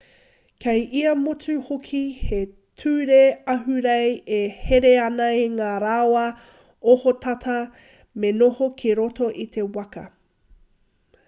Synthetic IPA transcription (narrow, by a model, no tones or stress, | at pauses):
kʰejʔiɐmot͡sʉhokʰihe | tʰʉːɾeɐɦʉɾejeheɾeɐnɐeŋaːɾawɐ | ohotʰɐtʰɐ | menohokʰeɾotoʔit̪ʰewɐkɐ̰